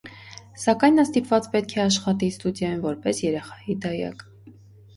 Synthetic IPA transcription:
sɑkɑjnːɑst̪ipvɑt͡spɛt̪̚kʰɛɑʃχɑt̪̬ist̪ud̪jɑjunvɔɾpɛsjɛɾɛχɑjid̪ɑjɑ̰k

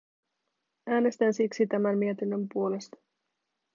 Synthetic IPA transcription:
æːne̞st̪ænsiksit̪æmænmiet̪inːø̞mpuo̞le̞st̪ɑ̥

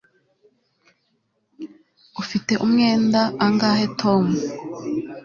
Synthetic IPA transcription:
ufite̞ʔumŋe̞ːndaʔːŋɡaːhe̞tʰo̞mu

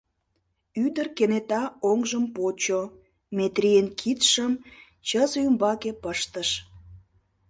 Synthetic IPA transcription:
yd̪ərkenet̪ɑoŋʒəmpot͡ɕo | met̪rʲijenkʰit̪ʃəm | t͡ɕəzoymbɑkepəʃt̪əʃ

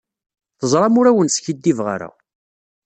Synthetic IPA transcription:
θəzˤɾˤɑmʊɾæwənsçid̪ːivʁa̰ɾa̰

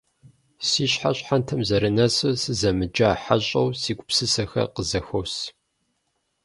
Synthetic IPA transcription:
siːɕħaɕʼħantʰɐmzɐɾɨnɐsɨsɨzɐmɨd͡ʒaːħaɕʼɐwsiːɡʷʼʊpsɨsɐxɐ̰qəzɐxos

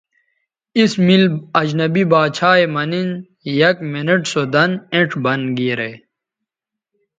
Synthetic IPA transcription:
ismilɐd͡ʑnɐbibaːt͡ɕʰaːjmɐnin | jɐk̚mineʈsod̪ɐnẽʈʰbɐnɡiɾe

